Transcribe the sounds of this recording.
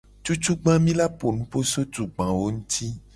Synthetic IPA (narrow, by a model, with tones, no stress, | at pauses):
t͡ʃu˦t͡ʃu˦ɡ͡bã˦mĩ˦la˦po˨nũ˦po˦so˦d͡ʒu˨ɡ͡bã˨wo˦ŋũ˦t̪ʰi˦